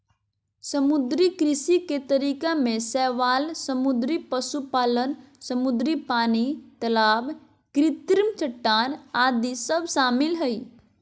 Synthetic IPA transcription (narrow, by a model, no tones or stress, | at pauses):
səmʊd̪ɾikɾɪsiket̪əɾiːkamẽsɛːʋaːlsəmud̪ɾipəsupaːlən | səmud̪ɾipaːnit̪əlaːb | kɾɪt̪ɾmt͡ʃʰəʈːaːnaːd̪isəbʃaːmɪlɦəi